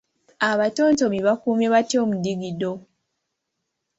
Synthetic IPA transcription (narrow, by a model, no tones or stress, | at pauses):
aβatoːnto̞miβakuːmjeβatjo̞ːmudiɡido̞